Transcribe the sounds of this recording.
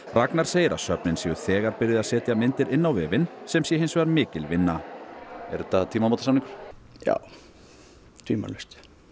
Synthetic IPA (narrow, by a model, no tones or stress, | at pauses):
raknaɾ̥seːjɪɾa̰sœpnɪnsjɛʏ̥θɛːɣaɾpɪɾjɪðasɛːt̪jamɪnt̪ɪɾɪnːawvɛːvɪnsɛmsjɛɦejnsvaɾmɪːcɪlvɪnːa | ɛɾʏt̪at̪ʰiːmamowt̪asaniŋkʏɾ̥ja̰w | t̪ʰiːma̰lœst̪